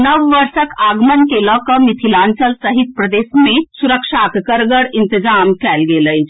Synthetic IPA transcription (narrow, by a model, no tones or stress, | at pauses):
nəʋːəɾsəkʰaɡmənkelɔkɔmit̪ʰilansəlsəɦit̪̚pɾəd̪esmesuɾəkʂakkəɾɡəɽint̪id͡zamkɛlɡeləj